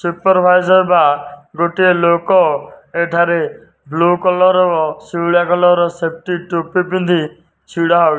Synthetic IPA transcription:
supɔɾbʱajzɔɾbaɡoʈielokɔeʈʰaɾe | blukɔlɔɾɔɔsiɽakɔlɔɾɔsep̚ʈiʈupipĩnd̪ʱi | t͡ʃʰiɽaɦɔ

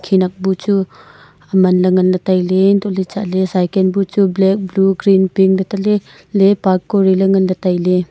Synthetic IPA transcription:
kʰinak̚but͡ʃu | ɐmɐnlɐŋɐnlɐtajlendolit͡ʃaʔlesajkenbut͡ʃublek̚bluɡɾinpiŋlɐtale | lepaɾkːoɾilɐŋɐnlɐtajle

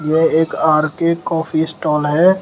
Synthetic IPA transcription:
jeeːkaːɾkekɔːpʰisʈɔːlɦɛː

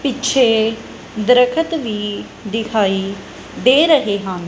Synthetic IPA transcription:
pɪtːʃʰeː | d̪əɾəkʰət̪ʋiː | d̪ɪkʰaːiː | d̪eːɾəɦeːɦãːn

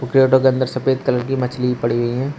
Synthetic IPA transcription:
ʊkɾejoːʈokeɐ̃nd̪ʱəɾsɐpeːd̪̚kɐləɾkimɐt͡ʃʰliipɐɽiɦuiɦɛ̃ː

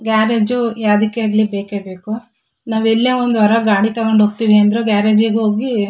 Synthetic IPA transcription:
ɡaːɾed͡ʒujaːd̪ikːeːɾlibeːkeːbe̞ːku | naːʋelːeːond̪ʋɐɾɐɡaːɽit̪ɐɡoɳɖɦoːɡ̚t̪iʋiɐnd̪ɾeɡaːɾeːd͡ʒiɡɦoːɡi

